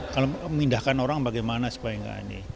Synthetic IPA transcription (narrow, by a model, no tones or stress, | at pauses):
kalomindahkanoɾaŋbaɡajmanasu̥paiŋɡa̰nḭ